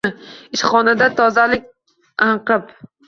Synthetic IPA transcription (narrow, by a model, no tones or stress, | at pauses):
ɪʃχɒnad̪at̪ʰɒzalɪk̚ʲ | ɑɴqɨp